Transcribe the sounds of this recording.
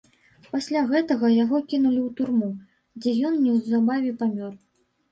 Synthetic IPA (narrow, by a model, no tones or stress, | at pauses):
pasʲlʲaɣɛt̪ɐɣɐjaɣɔkʲinulʲiwt̪urmu | d͡zʲɛjɔnnʲɛwzabavʲɛpamʲɔr